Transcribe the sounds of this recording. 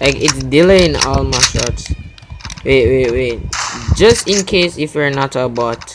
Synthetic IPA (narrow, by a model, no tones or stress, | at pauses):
laɪkitsdiləĩnɔ̰lmaʃɔ̰ts | wewewed͡ʒʌstĩnkʰesifjɛnɔtəbɔt